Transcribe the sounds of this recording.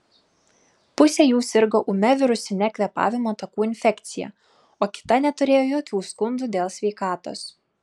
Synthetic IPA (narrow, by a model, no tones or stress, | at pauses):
pʊsʲɛːjuːsʲɪɾɡoːʔʊmʲɛʋʲɪɾʊsʲɪnʲɛkʲlʲɛpɑ̰ːʋʲɪmoːt̪ɐkuːɪnʲfʲɛkt̪sʲɪjɛ̰ | oːkʲɪ̥t̪ɐnʲɛt̪ʊɾʲeːjoːjoːkʲuːskʊnd̪ʊd̪ʲeːlˠsʲʋʲɛɪkɑːt̪o̰ːs